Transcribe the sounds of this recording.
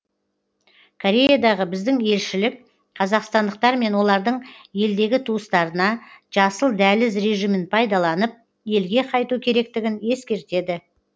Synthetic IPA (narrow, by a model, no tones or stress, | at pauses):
kʰo̞ɾʲe̞jad̪ɑʁəbɪzd̪ɪŋe̞lʃɪlɪk̚ | qʰɑzɑqst̪ɑnd̪əq̚t̪ɑɾme̞nwo̞lˠɑɾd̪əɴje̞ld̪e̞ɡʲɪt̪ʰuəst̪ɑɾənɑʒ̥ɑsəlˠd̪ælɪzɾe̞ʒijmɪnpʰɑjd̪ɑlˠɑnəp̚ | je̞lɡʲe̞qʰɑjt̪ukʲʰe̞ɾe̞k̚t̪ɪɡʲɪne̞skʲe̞ɾt̪e̞d̪ɪ